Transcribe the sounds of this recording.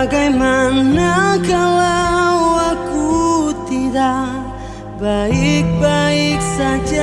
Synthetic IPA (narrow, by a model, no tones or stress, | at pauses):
ɡajmannakalawakut̪id̪a | baik̚baiksad͡ʒa